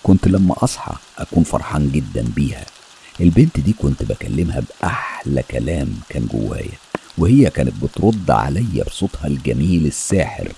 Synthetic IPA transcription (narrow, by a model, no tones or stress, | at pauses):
kont̪læmːæ̰ʔɑsˤħɑ̰ʔækuːnfɑ̰ɾˤħɑːnɡed̪ːænbiːhæ̰ | ʔelbent̪d̪iːkont̪bækælːemhæbʔaħlækælæːmkæːnɡo̰wːæ̰ːjæwehejːækæːnɪt̪̚bet̪ɾˤod̪̰ːʕa̰læjːæ̰bsˤot̪ˤhɑlɡæmiːlesːæːħḛɾ